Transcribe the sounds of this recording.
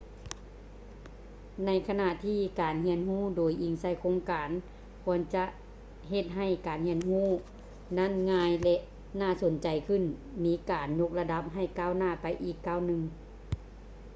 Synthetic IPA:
na˧˥jkʰa˧na˧˨ʔt̪ʰiː˧˩kaː˨˩nhi˧˥ənɦuː˥˨doː˨˩jʔi˨˩ŋsa˧˩jkʰoː˧˥ŋkaː˨n | kʰu˧˥ənt͡ɕa˧ʔ | ɦe˧t̪̚ɦa˧˩jkaː˨nhi˧˥ənhuː˧˥˩ | na˧˥˨nŋaː˧jlɛ˧ʔ | naː˧˩so˨˦nt͡ɕa˨˩jkʰɯ˧˥˩n | miː˨˥kaː˨˩nɲo˧˥k̚la˧da˧˥p̚ɦa˧˩jkaː˧˩˨wnaː˧˥˩pa˨jʔiː˧˩kːaː˧˩˨wnɯ˧ŋ

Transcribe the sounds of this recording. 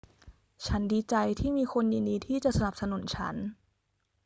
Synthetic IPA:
t͡ɕʰa˦˥ndiː˧t͡ɕa˧jt̪ʰiː˥˩miː˧kʰo˧njiː˧ndiː˧t̪ʰiː˥˩t͡ɕa˨˩ʔsa˧na˨˩p̚sa˧nu˨˩˦nt͡ɕʰa̰˦˥n

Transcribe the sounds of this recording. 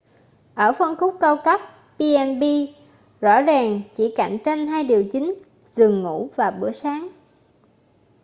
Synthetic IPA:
ʔəː˧˩fə˧nxʊ˦˥k͡p̚kə˧wkə˦˥p̚ | pi˧ʔɛ˧nɓi˧ | zɔ̰˧˥zaː˨˩ŋt͡ɕḭ˧˩ka̰˧˩˨jŋ̟t͡ɕe˧nɦaː˧jɗi˨˩əwt͡ɕï˨˦ŋ̟ | zɨ˨˩əŋːṵ˧˥vaː˨˩ɓɨ̰˧˩əsaː˨˦ŋ

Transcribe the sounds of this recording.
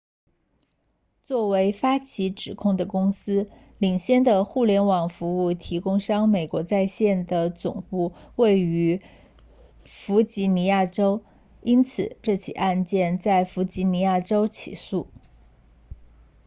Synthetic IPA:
t͡swɔ˥˩we˧˥ɪfa˥t͡ɕʰi˧˥ʈ͡ʂɻ̩˨˩kʰʊ˥˩ŋd̪ə˩kʊ˥ŋsɹ̩˥ | li˨˩ŋɕjɛ˥˩nd̪ə˨xu˥˩ljɛ˧˥nwɑ˨˩ŋfu˧˥u˥˩t̪ʰi˧˥kʊ˥ŋʂɑ˥ŋme˨˩ɪkwɔ˧˥t͡sa˥˧ɪɕjɛ˥˩nd̪ə˩t͡sʊ̰˨˩ŋpu˥˧we˥˩ɪy˧˥ | fu˧˥t͡ɕi˧˥ni˧˥ja˥˩ʈ͡ʂo˥ʊ | i˥nt͡sʰɹ̩˨˩ʈ͡ʂɤ˥˩t͡ɕʰḭ˨˩ʔa˥˧nt͡ɕjɛ˥˧nt͡sa˥˩ɪfu˧˥t͡ɕi˧˥ni˧˥ja˥˩ʈ͡ʂo˥ʊt͡ɕʰḭ˨˩su˥˩

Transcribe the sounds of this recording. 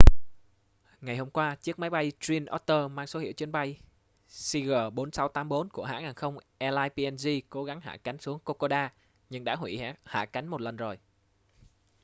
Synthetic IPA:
ŋa˨˩jho˧mŋ͡mkwaː˧t͡ɕɨ˦˥ək̚maː˨˦jɓa˧jzi˧nʔɔ˦˥t̚t̪əː˧maː˧ŋso˨˦hḭ˧˨wt͡ɕnɓa˧j | si˧ɣəː˨˩ɓo˨˦nsa˨˦wt̪aː˨˦mɓo˨˦nku˧˩əɦa̰ː˧˥ŋaː˨˩nxə˧wŋ͡mʔɛ˧laː˧jpi˧ɛ˧nzi˧ko˨˦ɣa˨˦ŋɦa̰ː˧˨ka˨˦jŋ̟su˨˦əŋko˧ko˧ɗaː˧ | ɲɨ˧ŋɗa̰ː˧˥ɦwḭ˧˩ha̰ː˧˨ka˨˦jŋ̟mo˨˩t̚lə˨˩nzo˨˩j

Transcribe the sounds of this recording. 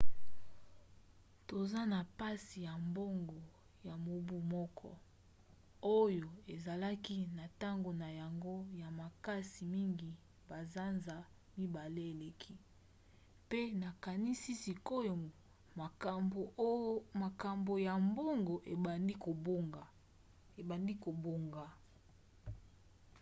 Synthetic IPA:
to˨za˦na˨pa˦si˨ja˨mbo˦ŋɡo˨ | ja˨mo˨bu˦mɔ˦kʰɔ̰˦ | o˦jo˨e˨za˨la˦ki˦na˨ta˦ŋɡo˨na˨ja˨ŋɡo˦ja˨ma˨ka˦si˨mi˦ŋɡi˨ | ba˨za˦nza˨ | mi˦ba˨le˦e˨le˨kʰi˦ | pe˦na˨ka˨ni˦si˦si˨ko˦jo˨ | ma˨a˨o˨˦ma˨ka˨mbo˨ja˨mbo˦ŋɡo˨ʔe˨di˦ko˨bo˦ŋɡa˨ | e˨ba˨ndi˦ko˨bo˨ŋɡa˨

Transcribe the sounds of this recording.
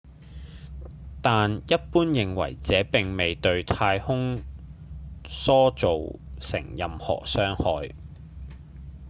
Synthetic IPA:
t̪aː˨njɐ˥t̚puː˥njɪ˨ŋwɐ̰˨˩jt͡sɛː˨˥pɪ˨ŋme˨jt̪ɵ˧ɥt̪ʰaː˧jhʊ˥ŋ | sɔː˥t͡so˨wsɪ̰˨˩ŋjɐ˨mhɔ̰ː˨˩sœː˥ŋhɔː˨˧j

